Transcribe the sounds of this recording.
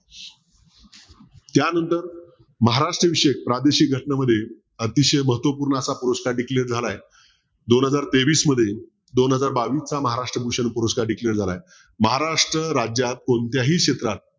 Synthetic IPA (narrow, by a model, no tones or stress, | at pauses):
t̪janənt̪əɾ | məɦaɾaʂʈɾəʋiɕek̚pɾad̪eɕiːk̚ɡʱəʈɳaməd̪ʱːje | ət̪iɕeməɦət̪ʋəpuːɾɳasapuɾoskaɖikleɾd͡zʱalaj | d̪onɦəd͡zaɾt̪eʋiːsməd̪ʱːje | d̪onɦəd͡zaɾbaʋiːst͡saməɦaɾaʂʈɾəbʱuɕənupuɾəskaɾɖikleɾd͡zʱalaj | məɦaɾaʂʈɾəɾad͡ʑjat̪̚kont̪jaɦiːkɕet̪ɾat̪̚